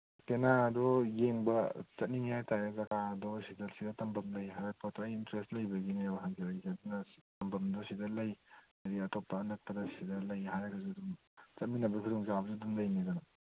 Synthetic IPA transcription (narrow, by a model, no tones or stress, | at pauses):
kenadɔjeŋbɐt͡ʃɐt̚niŋjajtajazɐɡadɔsidɐlsidɔtɐmbɐmlɐjɦajɾɐpʰotoːjintɾestlɐjbɐɡinewɦaŋɡiɐjzadunɐtɐmbɐmdɔsidɐlɐj | aɾiɐtɔpːɐːnɐk̚pɐdɐsidɐlɐjɦajɾɐkʰɐzudum | t͡ʃɐt̚minɐbɐikʰudɔŋzabɐzidumlɐjnedɔnɐ